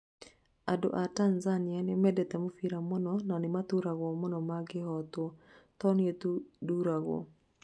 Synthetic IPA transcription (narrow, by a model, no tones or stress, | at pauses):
ado̰ʔatanzanjanɪmɛdɛt̪ɛmofiɾamɔnɔnanɪmat̪uɾaɣwɔmɔnɔmaɡɪhɔt̪wɔt̪ɔnjetuduɾaɣwɔ̰